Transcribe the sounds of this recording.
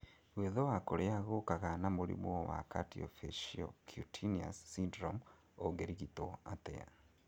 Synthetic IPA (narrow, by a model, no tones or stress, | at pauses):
ɣweðowakoɾeaɣokaɣanamulḭmwowa̰ka̰tio̰feʃio̰kʰutʰinia̰sːindɾom | oɡeɾiɣitoatḛa̰